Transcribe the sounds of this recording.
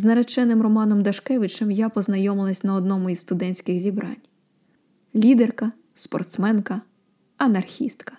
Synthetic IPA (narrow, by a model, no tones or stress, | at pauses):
znɐɾɐt͡ʃɛnɪmrɔmɑnɔmd̪ɐʃkɛʋɪt͡ʃɛmjapɔznɐjɔmɪlˠɐsʲnɐɔd̪nɔmʊisst̪ʊd̪ɛnʲsʲkɪɣzʲibɾʔɑ̰nʲ | lʲid̪erkɐ | spɔ̰rt̪smɛnkɐ | ɐnɐrxʲist̪kɐ̥